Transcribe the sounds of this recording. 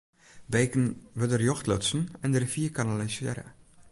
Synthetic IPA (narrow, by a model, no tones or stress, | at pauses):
bejkənʋəldərjɔxtlɔtsn̩ɛndərəfiəkanalisɪəɾə̰